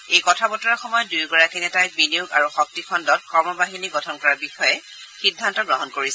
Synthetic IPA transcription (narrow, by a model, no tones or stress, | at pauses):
ejkɔtʰabɔtɔɹaxɔmɔjɔdujɡɔɹakinɛtajbinijuɡaɹuxɔk̚tikʰɔndɔt̚kɔɹmɔbaɦiniɡɔtʰɔnkɔɹabixɔjɛ | xidʱːantɔɡɹɔɦɔnkoɹisɛ